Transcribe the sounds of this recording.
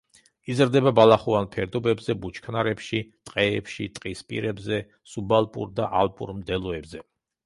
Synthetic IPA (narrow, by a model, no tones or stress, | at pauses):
izɾd̪ɛbabalˠaχuanpʰɛɾd̪ɔbɛbzɛbut͡ʃʰkʰnaɾɛpʃit̪ʼqʼɛːpʃit̪ʼqʼispʼḭɾɛbzɛ | subalˠpʼṵɾd̪aʔalˠpʼṵɾmd̪ɛlˠɔɛbzɛ